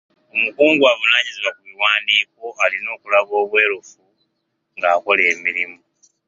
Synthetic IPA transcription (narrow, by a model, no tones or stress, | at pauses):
omukuːŋɡwaβunaːɲiziwakuβiwaːndiːkoalino̞ːkulaβo̞ːβwe̞ːɾofu | ŋɡaːko̞leːmiɾimu